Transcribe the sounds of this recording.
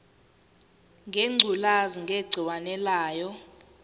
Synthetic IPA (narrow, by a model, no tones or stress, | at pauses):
ŋɡʱeŋ͡ǀʱulaziŋɡʱeɡ͡ǀʱiwanɛlaːjɔ